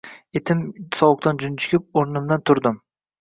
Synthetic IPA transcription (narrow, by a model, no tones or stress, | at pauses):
et̪ʰɪmsɒwʊk̚t̪ʰand͡ʒʊnt͡ʃʰɪ̥kʲɪp̚oɾnɪmd̪ant̪ʰʊɾd̪ɪm